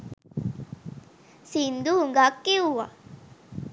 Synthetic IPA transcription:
sind̪uɦuŋɡakːiuʋa̰

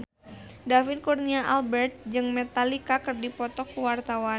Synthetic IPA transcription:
dafɪd̪kurniaʔalbɛrt̪̚d͡ʒɨŋmɛt̪alikakɨrdipɔt̪ɔkuwart̪awa

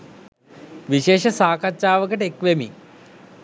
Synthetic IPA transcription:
ʋiʃeːʂɐsaːkɐtːʃaːʋəkəʈekʋemḭ

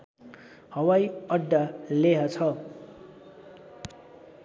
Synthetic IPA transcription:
hʌwajʌɖːaleɦʌt͡sʰʌ

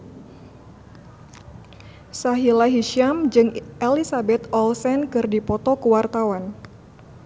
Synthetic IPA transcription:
saɦilaɦiʃiamd͡ʒɨŋʔelisabɛt̪ɔlsɛnkɨrdipɔt̪ɔkəwart̪awan

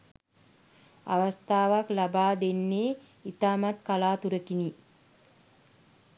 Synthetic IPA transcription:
a̰ʋast̪aːʋaklabaːd̪enːeː | it̪aːmat̪kalaːt̪uɾəkini

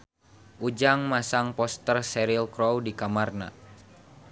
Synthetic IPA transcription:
ʔud͡ʒaŋmasaŋpɔst̪ərsɛɾilkɾɔwdikamarna̰

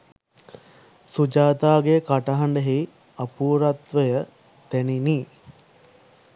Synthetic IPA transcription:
sud͡ʒaːt̪aːɡekaʈaɦaɳɖəɦei | apuːɾat̪ʋəjə | t̪ænini

